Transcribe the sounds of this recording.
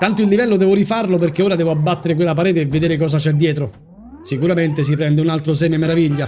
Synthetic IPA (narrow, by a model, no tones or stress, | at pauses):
t̪ant̪oilːivɛlːod̪ɛːvoɾifarloperk̟eoːɾad̪ɛːvoabːat̪ːeɾek̬welːapaɾɛːt̪eːvːed̪eːɾekɔːs̬at͡ʃɛd̪ːjɛːt̪ɾo | sikuɾament̪es̬ipɾɛnd̪eunalt̪ɾos̬ɛːmemeɾaviʎːa